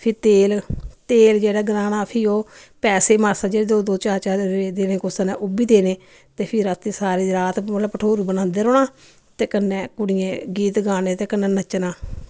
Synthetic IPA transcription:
pʰɪɾt̪eːlt̪eːld͡ʒeːɽaːɡɾaːnaːpʰɪoː | pɛːseːmaːɾsaːd͡ʒeːɽeːd̪oːd̪oːt͡ʃaːɾt͡ʃaːed̪eːnẽːkʊsanɛ̃ːʔʊbiːd̪eːneː | t̪eːpʰɪɾat̪ːiːsaːɾeːɾaːt̪əɽaːpəʈʰoːɾubənãːnd̪eːɾoːnaː | t̪eːkənːɛ̃ːkʊɽɪjẽːɡiːt̪ɡaːneːt̪eːkənːɛːnət͡ʃːnaː

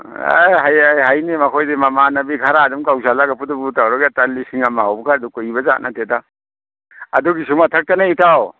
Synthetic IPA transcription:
a̰jɦajajɦajnimɐkʰojdimɐmanɐbikʰaɾaːdumkaws̬alaɡɐpʰudubutawɾɔɡatalːisiŋamaawbɐkʰaɾdukuibɐza̰ʔ̚nʔateda | ɐ̰duɡisumatʰɐk̚tɐnaitaw

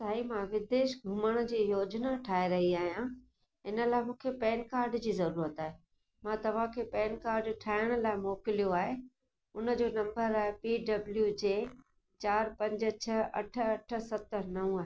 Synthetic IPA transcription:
saːimãʋɪd̪eːʃɡʱʊməɽ̃ə̆d͡ʑiːjoːd͡ʑnaʈʰaːeɾɐɦiaːɦijã | ɦɪnə̆laːɪmũːkʰepɛːnkaːɾɖd͡ʑiːzɐɾuːɾət̪aːɦe | mãt̪ɐʋ̤ãkʰeːpɛːnkaːɾɖʈʰaːɪɽ̃ə̆laːɪmoːkɪlijoaːɦe | ʊnə̆d͡ʑoːnɐ̃mbəɾaːɦepiːɖɐbljud͡ʑeː | t͡ɕaːɾpɐ̃ɲd͡ʑ̆t͡ɕʰɐɐ̰ʈ̆ʰɐʈʰə̆sɐt̪əɾnɐʋũaːɦe

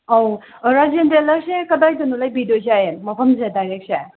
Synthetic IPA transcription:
ow | ɾazendelɐɾsekɐdajdɐnulajbidozajemɐpʰɐmzedajɾek̚se

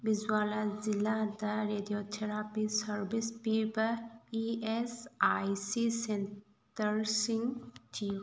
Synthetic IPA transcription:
bizwaːlazilad̪əɾeːdijoːt̪ʰeɾaːpisəɾbispibəiesajsisen | t̪əɾsĩŋɡt̪ʰi

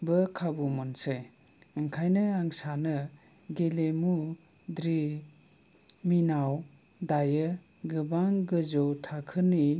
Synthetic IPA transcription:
bɯkʰabumɔnsej | ɯŋkʰajnɯaŋsanɯ | ɡelemu | dɾi | minaw | dajɯ | ɡɯbaŋɡɯzɔwtʰakʰɯni

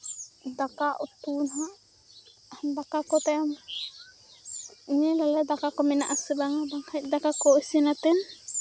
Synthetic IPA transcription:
d̪akaʔut̪unɦaʔ | hd̪akakɔt̪ajam | iɲɛlalad̪akakɔmɛnaʔasɛbaŋabaŋhac̚ˀd̪akakɔisinat̪ɛn

